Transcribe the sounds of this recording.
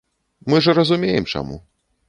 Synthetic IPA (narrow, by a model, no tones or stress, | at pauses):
mɨʐɐɾɐzumʲejɛmt͡ʂa̰mṵ